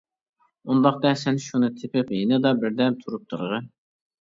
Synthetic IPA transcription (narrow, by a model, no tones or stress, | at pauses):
und̪ɑqd̪ɛsɛnʃunɨt̪ʰɪpɪpjinɨd̪ɑbɪɾd̪ɛpt̪ʰuɾup̚t̪ʰuɾʁɨ